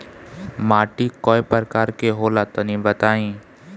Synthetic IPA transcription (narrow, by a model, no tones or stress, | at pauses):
maːʈikɔːepəɾkaːɾkeɦoːlat̪onĩbət̪aːĩː